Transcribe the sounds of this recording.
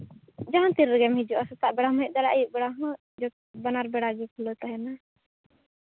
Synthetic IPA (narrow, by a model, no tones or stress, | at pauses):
d͡ʒaɦãt̪iɾːɛɡɛmhid͡ʒuʔasɔt̪aʔbɛɽamɔɛʔ̚ˀd̪aɽaʔajuʔbɛɽaɦɔ | d͡ʒɔ | banaɾbɛɽad͡ʒɔkʰulɔt̪aɦɛna